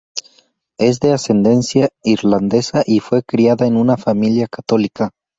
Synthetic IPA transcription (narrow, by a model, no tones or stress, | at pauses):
e̞zd̪e̞ase̞nd̪e̞nsjaiɾland̪esaʔifwe̞kɾiaðaenunafamiljakat̪o̞lika